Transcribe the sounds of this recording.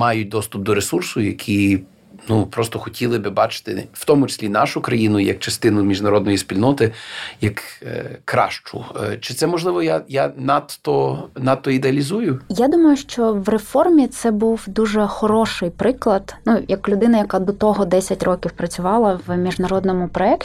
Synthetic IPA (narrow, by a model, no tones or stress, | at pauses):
mɑjʊt̚ʲd̪ɔst̪ʊp̚d̪ɔɾesursʊjɐ̰kʲʰi | nupɾɔst̪ɔxɔtʲilˠɪbɪbɑt͡ʃɪ̥t̪ɪ̰wt̪ɔmʊt͡ʃɪ̥sʲlʲinɑʃʊkɾɐjinʊjɐ̰kt͡ʃɐst̪ɪnʊmʲiʒnɐɾɔd̪nɔjispʲilʲnɔt̪ɪjɐkkɾɑ̰ʃt͡ʃʊ̰t͡ʃɪt̪sɛmɔʒlˠɪʋɔjajanɑt̪ɔnɑt̪ːɔid̪eɐlʲizujʊjad̪umɐjʊʃt͡ʃɔwrefɔrmʲit̪sɛbuwd̪uʒɛxɔɾɔʃɪjpɾɪklˠɐd̪̥nujɐklʲʊd̪ɪnɐjɐkad̪ɔt̪ɔɦɔd̪ɛsʲɐtʲrɔkʲiwpɾɐt͡sʲʊʋɑlˠɐwmʲiʒnɐɾɔd̪nɔmʊpɾɔɛkʲ